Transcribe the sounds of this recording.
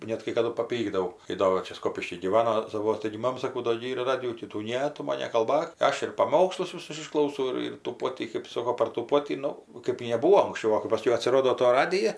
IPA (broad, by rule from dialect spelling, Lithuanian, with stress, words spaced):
ˈnʲɛt kɐɪ kɐˈdʊ pɐˈpʲiːɡdɐʋɐʊ kɐɪ ˈdoː ʋɐ ˈt͡ʃʲɛ ˈskoːpʲɪʃʲkʲiː ɡʲiːˈʋɑːnoː sɐˈʋuɔs tɐɪɡʲɪ ˈmɑːmɐ sɐˈkɐʊ doː ɡʲɪ ˈiːr ˈrɑːdʲɪjuː tʲiː ˈtuː ˈnʲɛ ˈtʊ mɐn nʲɛkɐlˠˈbɐk ˈɐʃ ɪr pɐˈmoːkslˠʊs ʋʲɪˈsʊs ɪʃklˠɐʊˈsɐʊ ˈɪr ɪr tuː ˈpoːtʲiː kɜp ˈsoːkoː pɐr tuː ˈpoːtʲiː ˈnʊ kɜp nʲɛˈbuːoː ɐŋksʲˈt͡ʃʲɛʊ ˈʋɐ kɜp ˈpɑːsʲkʲɛʊ ɐtʲsʲɪˈroːdoː toː ˈrɑːdʲɪjɛ